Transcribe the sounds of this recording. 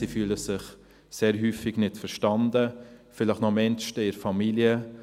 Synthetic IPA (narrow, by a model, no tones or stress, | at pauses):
ifyːləsɪχ | seːɾɦyːfɪɡnɪtfəɾʃtɑnd̪əfɪləχnɔmɛnʃtəɪɾfɑmiljə